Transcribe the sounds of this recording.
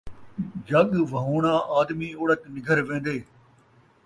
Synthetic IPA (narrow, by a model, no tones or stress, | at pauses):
d͡ʒɐɠʋɐɦoːɽ̃ãːʔaːd̪mioːɽət̪nɪɡʱəɾʋẽːnd̪eː